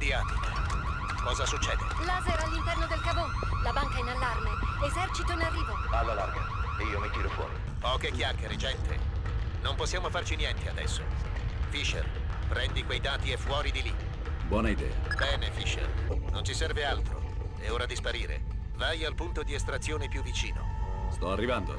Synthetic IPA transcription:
d̪ia | kɔːzasut͡ʃːɛːd̪ḛlaːzeɾalːint̪ɛrnod̪elkabolabaŋkainalːarmeezɛrt͡ʃit̪oinarːiːvoalːalarma̰ | iːomit̪iːɾofwɔ̰ːɾḭ | pɔːkekjakːeɾed͡ʒɛnt̪ʰḛnomposːjaːmofart͡ʃinjɛnt̪ead̪ɛ̰sːo̰fiʃḛlpɾɛnd̪ikwejd̪aːt̪iefːwɔːɾid̪ili | bwɔːnaid̪ɛ̰ːa̰bɛːnefiʃḛlnont͡ʃisɛrvealt̪ɾo̰ | ɛoːɾad̪ispaɾiːɾḛ | vajalpunt̪od̪iest̪ɾat̪sːjoːnepjuvːit͡ʃḭːno̰st̪ɔarːivand̪o̰

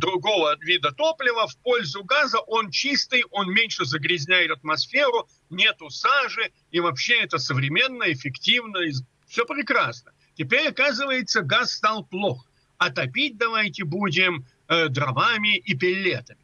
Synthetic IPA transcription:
d̪ɾʊɡo̞vəvʲid̪ət̪o̞plʲɪvəfpo̞lʲzʊɡazəʔo̞nt͡ɕist̪ɨjo̞nmʲenʲʂɨzəɡɾʲɪzʲnʲæjɪt̪ɐt̪mɐsfʲe̞ɾʊ | nʲe̞t̪ʊsaʐɨ | ivɐpɕːe̞ɛt̪əsəvɾʲɪmʲe̞nːəɪfʲɪktʲivnəɪ | fsʲopɾʲɪkɾasnə | tʲɪpʲeɾʲɐkazɨvəjɪt̪səɡasːt̪alˠplˠo̞x | ɐt̪ɐpʲit̚ʲd̪ɐvajtʲɪbudʲɪm | əd̪ɾɐvamʲɪʔipʲɪlʲːet̪əmʲɪ

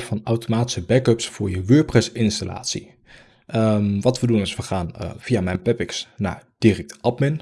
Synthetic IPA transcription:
fɑnawtomaːti̥səbɛkøpsfʊːɹjəʋøːɹprɛsɪnstala̰ːtsi | ʔəmʋɑtʋədunɪsʋəχaːnv̥iamɛjnpɛpɪksna̰ːɹd̥irɛk̚tɑpmɪn

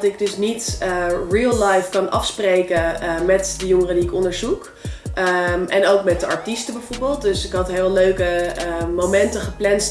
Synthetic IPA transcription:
tɪɡ̚dɵsnitriːlˠlajfkɑnɑ̰fsprejkəmɛtdəjɔŋərədiɪkɔndəɹzuk | ɛnowkmɛt̚dəɑɹtistəbɛjvoɹbɪːlˠt̚dɵsɪkɦɑtɦeløɥkəmowmɛntəχəplɛnst

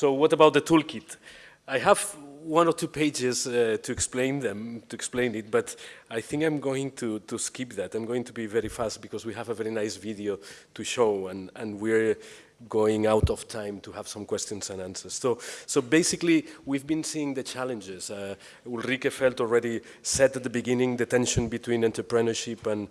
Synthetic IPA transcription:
sowʌtəbawt̪̚ðətʰulkit̪ | ajɦævwʌ̃nɔɹtʰupʰeɪd͡ʒɪztʰuɛksplẽɪ̃nðɛ̃mtuɛksplẽɪ̃nɪt̚bʌtajθɪ̃ŋkãɪ̃mɡoɪ̃ŋtʰutuskipðætãjmɡoɪ̃ŋtʰubivɛɾifæst̚b̥ikɔzwihævəvɛɹinajsviðiotʰuʃoʊãnə̃nwiɹ | ɡoɪ̃ŋawtɔftʰãɪ̃mtʰuhæv̥sʌ̃mkwɛst̪jɔ̃nsãnãnsə˞sːoʊːobeɪsikliwivbĩnsiɪ̃ŋðɨt͡ʃʰælə̃nd͡ʒɪz̥ | ulrikefɛlˠtɔl̩ˠɹɛɾi | sɛtat̪̚ðəbiɡɪ̃nɪ̃ŋðɨt̪ɛ̃nʃɨ̃nbit̪ʰwĩnɛ̃nt̪ə˞pɹɨnə˞ʃipə̃n

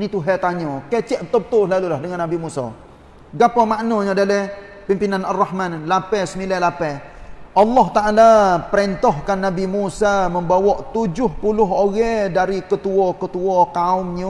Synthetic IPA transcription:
nit̪uɦɛt̪aɲɔkɛt͡ʃɛʔbət̪ɔbət̪ʊlalulahdəŋanːabimusa̰ | ɡapamaʔnɔɲadalɛ | pimpinanarːɑhmanlapɛsəmilɛlapɛʔɑlːɔɦt̪aʔalapəɾɛnt̪ɔhkanːabimusaməmbawɔʔt̪ud͡ʒʊhpulʊɦoɣɛdaɾikət̪uɔkət̪uɔkaʊmɲə

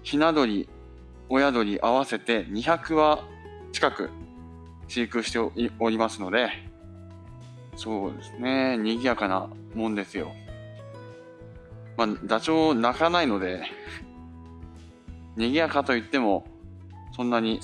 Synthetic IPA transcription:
çinad̪o̞ɾʲi | o̞jad̪o̞ɾʲiʔaβase̞t̪e̞ɲ̟içakɯ̟βa | t͡ɕi̥kakɯ̟̰ | ɕikɯ̟ɕi̥t̪eoɾʲimasɨno̞d̪e̞ | so̞ːd̪esɨne̞ɲ̟iɡʲiakana̰ | mõ̞nd̪e̞sɨjo̞̰ | mad̪at͡ɕo̞ːnakanaino̞d̪e̞ | ɲ̟iɡʲiakat̪o̞it̪ːe̞mo̞ | sõnːaɲ̟i

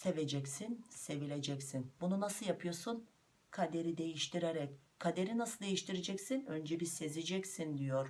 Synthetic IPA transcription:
se̞ved͡ʒɛcsinse̞vilʲe̞d͡ʒɛcsinbununasɯjapʰɯjo̞ɾsun | kʰad̪e̞ɾid̪e̞jiʃt̪ʰiɾeɾɛc | kʰad̪e̞ɾinasɯd̪e̞jiʃt̪iɾed͡ʒɛcsinø̞nd͡ʒɛbise̞zed͡ʒɛcsind̪ijoɾ

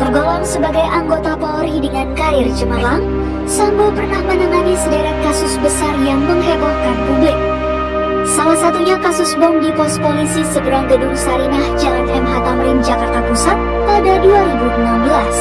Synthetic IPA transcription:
t̪ərɡolɔŋsəbaɡajʔaŋɡot̪apoɾidəŋankaɪrd͡ʒəmalaŋ | sambapərnahmənaŋanisədaɾɛk̚kasʊsbəsarjaŋməŋɦebahkanbubɪt̚ | salahsat̪uɲakasʊsbɔŋdipɔst̪̚polisisəbɾaŋɡədʊŋsaɾinahd͡ʒanɛmɦat̪amɾɪnd͡ʒakart̪apusat̪̚ | padaduaɾibudulambəlas

